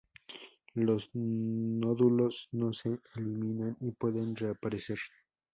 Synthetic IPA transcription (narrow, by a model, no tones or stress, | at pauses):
losnoðulo̞sno̞seeliminanipwe̞ðenreapaɾeseɾ